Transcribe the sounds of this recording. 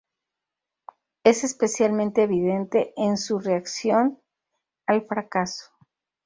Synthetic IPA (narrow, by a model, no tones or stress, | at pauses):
e̞se̞spe̞sjalmẽnt̪e̞ːβiðe̞nt̪e̞ʔensure̞aksjo̞n | alfɾakaso̥